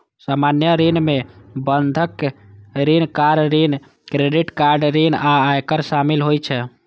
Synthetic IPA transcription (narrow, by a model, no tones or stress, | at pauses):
samanjəɾinmebənd̪ʱək | ɾinkaɖɾin | kɾeɖiʈkaɾɖɾinaajkəɾsamilɦojt͡ʃʰɛ